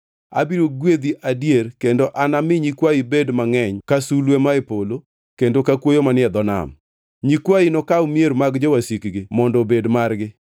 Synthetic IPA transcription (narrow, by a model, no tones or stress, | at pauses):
a̰biɾoɡwed̪iʔadjerkendoʔanamɪɲikwaibedmaŋɛɲkasulwemaepolo | kendokakwojomanɪɛd̪ɔna̰m | ɲikwainɔkaomjeɾmaɡd͡ʒɔwasikɡɪmɔndɔbedmarɡɪ